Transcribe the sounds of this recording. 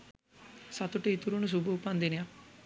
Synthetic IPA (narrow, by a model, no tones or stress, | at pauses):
sɐt̪uʈeit̪uɾunus̬ubʱuːpand̪inija